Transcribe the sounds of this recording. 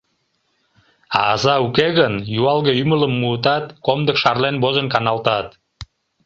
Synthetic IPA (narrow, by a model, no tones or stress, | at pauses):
ɑ̰ːzɑukeɣənjuɑlɣəymələmːuːt̪ɑt̪komd̪əkʃɑrlenbozənkɑnɑlt̪ɑt̪